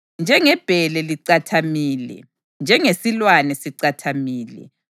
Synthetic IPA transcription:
nd͡ʒʱɛŋɛb̥ʱɛlɛliǀatʰamiːlɛ̰ | nd͡ʒʱɛŋesilwanɛsiǀatʰamiːlɛ̰

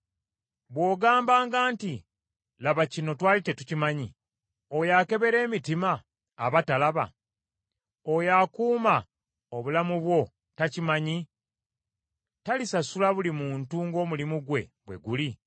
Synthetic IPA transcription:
βwo̞ːɡaːmbaːŋɡaːnti | laβacino̞twaːlitetucimaɲi | o̞jake̞βe̞ɾe̞ːmitimaː | βatalaβa̰ | ojaːkuːma | oβulamuβwo̞ | tacimaɲi | talisasulaβulimuːntuŋɡo̞ːmulimuɡwe̞̰βwe̞̰ɡuli

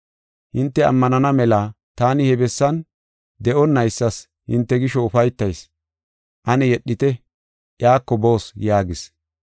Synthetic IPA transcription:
hɪnt̪ːɛɐ̰mːɐnɐnɐmɛla | t̪aːnɪhɛbɛsːɐn | d̪ɛʔɔnːɐjsːɐs | hɪ̰nt̪ːɛɡɪʃɔʊfɐjt̪ːɐjs | ʔɐnɛjɛɗːɪt̪ɛ | ʔjaːkːɔbo̞ːsjaːɡɪs

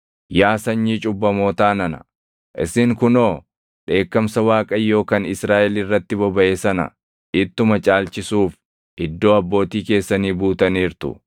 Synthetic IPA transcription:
jaːsɐɲːiːt͡ʃʼʊbːɐmo̞ːt̪aːnɐnɐ̥̰ | ʔɪsɪŋkʊno̞ː | ᶑe̞ːkːɐmsɐwaːkʼɐjːo̞ːkɐnɪsɾaːʔɛlirːɐt̪ːɪbɔbɐʔeːsɐnɐ̰ | ʔɪt̪ːʊmɐt͡ʃʼaːlt͡ʃɪsuːf | ʔɪd̪ːo̞ːɐbːo̞ːt̪iːke̞ːsːɐniːbuːt̪ɐniːɾt̪ʊ̰

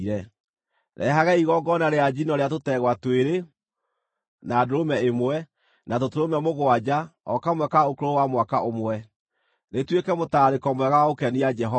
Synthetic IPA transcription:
ɾɛ | ɾʔɛ̰ɦaɣɛiɣɔɡɔnaɾead͡ʒinɔɾeat̬otɛɣwatweɾe | naːdoɾomɛemwɛ | natotoɾomɛmoɣwad͡ʑaɔkamwɛkaokoɾoɾowamwakaomwɛ | netwekɛmotaːɾekɔmowɛɣawaokɛniad͡ʒɛɦɔ

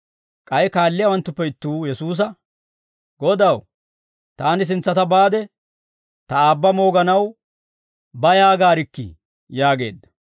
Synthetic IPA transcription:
kʼɐjkaːlːɪjɐwɐnt̪ːʊpːɛɪt̪ːuːjɛsuːs̬ɐ | ɡɔd̪ɐw | t̪aːnɪs̬ɪnt͡sːɐt̪ɐbaːd̪ɛ | t̪ɐaːbːɐmo̞ːɡɐnɐw | bɐjaːɡaːɾɪkːɪ̰ | jaːɡe̞̰ːd̪ːɐ̥

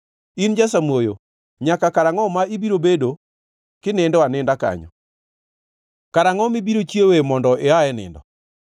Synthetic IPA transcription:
ind͡ʒasamwojo | ɲakakaɾaŋɔmaibiɾobedo | kɪnɛndɔanɪndaka̰ɲɔ̰ | kaɾaŋɔmibiɾot͡ʃjewemɔndɔʔeaɛnɪ̰ndɔ

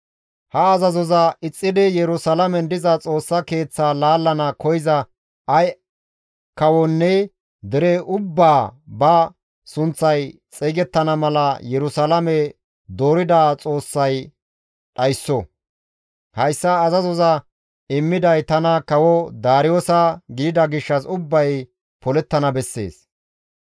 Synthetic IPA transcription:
hɐːzɐzɔzɐɪt͡sʼːɪd̪ɪjɛɾʊsɐlɐmɛnd̪ɪzɐt͡sʼo̞ːsːɐke̞ːt͡sːaːlaːlːɐnɐkɔjɪzɐ | ɐj | kɐwɔnːɛ | d̪ɪɾɛʊbːaːbɐ | sʊnt͡sːɐjt͡sʼiɡɛt̪ːɐnɐmɐlɐjɛɾʊsalɐmɛ | d̪o̞ːɾɪd̪aːt͡sʼo̞ːsːɐj | ɗɐjsːɔ | hɐjsːɐːzɐzɔzɐ | ɪmːɪd̪ɐjt̪ɐnɐkɐwɔd̪aːɾɪjoːsɐɡɪɪd̪ɐɡɪʃːɐsʊbːɐj | pɔlɛt̪ːɐnɐbɛsːe̞̰ːs

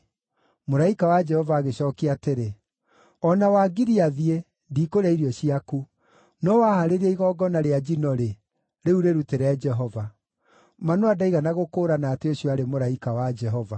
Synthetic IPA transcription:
moɾaikawad͡ʒɛhɔvaːɣeɕɔːkeateɾe | ɔnawaɡiɾiaðie | ndiːkoɾaiɾjɔɕiaku | nɔwahaɾeɾaiɣɔɡɔnaɾead͡ʒinɔɾe | ɾeuɾeɾuteɾɛd͡ʒɛɦɔva | manoadaiɣanaɣokoːɾanaːteoɕjɔaɾemoɾaikawad͡ʒɛɦɔva

